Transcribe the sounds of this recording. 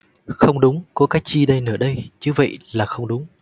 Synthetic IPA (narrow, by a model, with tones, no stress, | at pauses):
xə˧wŋ͡mɗʊ˨˦ŋ͡mkɔ˨˦kaː˨˦˥jt͡ɕi˧ɗə˧jnɨ̰˧˩əɗə˧jt͡ɕɨ˨˦və̰˧˨jlaː˨˩xə˧wŋ͡mɗʊ˨˦ŋ͡m